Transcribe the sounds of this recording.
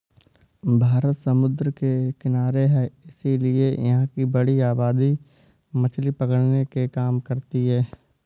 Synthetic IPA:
bʱaːɾət̪sɐmʊd̪ɾkekɪnaːɾeɦɛːɪsiliejɐ̰ɦãkibɐɽiaːbaːd̪i | mɐt͡ʃʰlipɐkəɽnekekaːmkɐɾt̪iɦɛː

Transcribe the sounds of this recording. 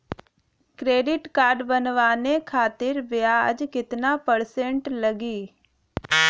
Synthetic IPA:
kɾeːɖɪʈkaːɾɖbənʋaːnekʰaːt̪ɪɾbɪaə̰d͡ʒkɪt̪napəɾsẽɳʈləɡiː

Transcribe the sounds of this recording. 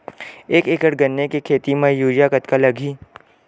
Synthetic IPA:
eːkeːkəɽɡənːekekʰeːt̪imẽjuːɾjakət̪kalɐɡʱiː

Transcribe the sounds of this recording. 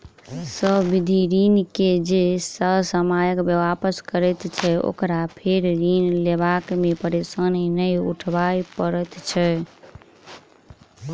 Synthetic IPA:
səɦbid̪ʱiɾinked͡ʒesəɦsəmajəkbəʋapəskəɾɛt̪t͡ʃʰɛo̰kɾapʰeɾɾinlebakmepəɾesənnəjṵʈʰbajpəɾɛt̪t͡ʃʰɛ

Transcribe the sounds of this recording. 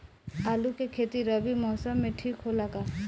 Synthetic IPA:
aːlukekʰeːt̪iɾəbimɔːsəmːẽʈʰiːkɦolaɡaː

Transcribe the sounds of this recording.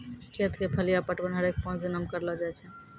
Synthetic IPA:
kʰet̪kepʰəlijapəʈbənɦəɾek̚pɔ̃t͡ʃd̪ɪnəmkəɾlɔd͡ʒajt͡ʃʰɛ

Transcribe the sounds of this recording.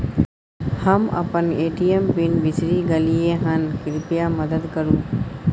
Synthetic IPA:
hɐmɐ̰pɐneːʈiembinbisɾiːɡɐlieɦɐnkiɾipijamɐd̪əd̪kɐɾu

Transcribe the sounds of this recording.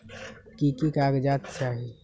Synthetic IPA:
kikikaːɡd͡ʒat̪t͡ʃaɦi

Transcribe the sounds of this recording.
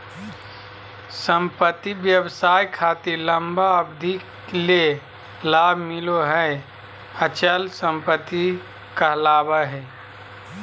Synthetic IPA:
səmpət̪ːiʋjəbsaːjkʰaːt̪iɾləmbaəbd̪ʱik | le | laːbʱmɪloɦə | ət͡ʃəlsə̃mpət̪ːi | kəlaːbəɦɛ

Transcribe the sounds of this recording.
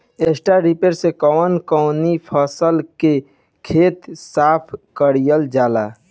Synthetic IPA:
esʈaɾipeɾsekɔːnkɔːnipʰəsəlke | kʰeːt̪saːpʰkəɽijəld͡ʒaːla̰ː

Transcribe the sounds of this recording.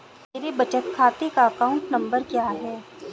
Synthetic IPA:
teːɾebɐt͡ʃət̪kʰaːt̪ekaɐkaːʊ̃ɳʈnɐ̃mbəɾkjaːɦɛː

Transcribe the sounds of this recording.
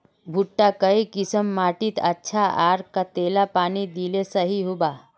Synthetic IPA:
bʱuʈːakɐikɪsəmːaːʈit̪ʰɐtːʃʰaʔaːɾkat̪eːlapaːnid̪ilesɐɦiɦʊbaː

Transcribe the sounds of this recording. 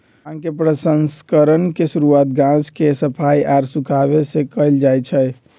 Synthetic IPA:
ãkepɾəsənskəɾənkesuɾuat̪ɡãskesəpʰaiʔaɾsukʰaβesẽkəjld͡ʒajt͡ʃʰɛ

